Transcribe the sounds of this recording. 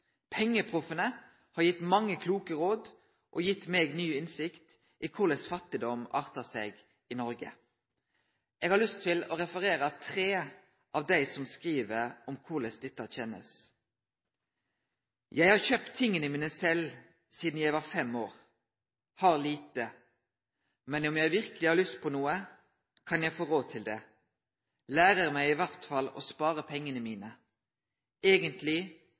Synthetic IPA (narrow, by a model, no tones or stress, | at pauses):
pʰɛŋːəpʰʁʊfənə | hɑɾjɪt̪mɑŋːəkʰluːkəʁoːd̪ | ʔɔjɪt̪ːmeːɡnyːɪnsɪkt̪ | ʔikʰʊʁlɛsfɑt̪ɪd̪ɔmɑ̰ːʁt̪əseɡ | ɪnɔɾɡə̰ | ʔeːɡhɑʁlʏst̪ʰːɪlɔʁɛfəʁeːʁət̪ʰʁeː | ʔɑʋd̪æɪsɔmskʁiːʋəɾɔmkʰʊʁlɛsd̪ɛt̪ːəɑçɛnə̰s | jæɪhɑʁçøːpt̪ʰːɪŋːənəmiːnəsɛl | siːd̪n̩jæɪʋɑʁfɛmːoːʁ | hɑʁliːt̪ə | mɛnɔmjæɪʋɪʁkəlɪhɑɾlʏst̪̚pʰɔnuːə | kʰɑnjæɪfoːɾoːd̪̚t̪ʰɪld̪ɛ | læːʁəʁmæɪɪʋæʁt̪fɑlɔ̰spɑːʁəpʰɛŋːənəmiːnə | eːɡənt̪lɪ